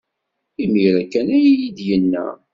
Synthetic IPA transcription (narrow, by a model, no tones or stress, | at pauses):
imiɾækːænæjjid̪jənːæ̰